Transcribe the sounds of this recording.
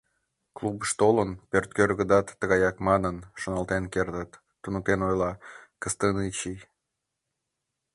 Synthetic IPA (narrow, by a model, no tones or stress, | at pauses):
klubəʃt̪olənpørt̪̚kørɣəd̪ɑt̪ːəɣɑjɑkmɑnənʃonɑlt̪enkert̪ət̪ːunut̪enojlɑkəst̪ənit͡ɕi